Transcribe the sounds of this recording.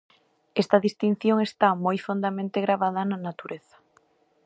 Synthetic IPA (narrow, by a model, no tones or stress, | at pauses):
ɛst̪ɐaðist̪in̟θjoŋest̪amojfond̪amẽnt̪eɣɾaβ̞aðɐnanat̪uɾeθɐ̥